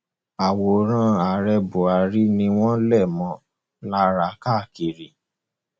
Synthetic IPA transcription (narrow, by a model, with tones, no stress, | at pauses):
a˨wo˨˦ɾ̃ã˦a˨ɾɛ˧bo˨a˨˦ɾi˦nĩ˧w̃ɔ̃˦lɛ˦˨mɔ̃˨˦ | la˦ɾa˨˦ka˦˨ki˨ɾi˨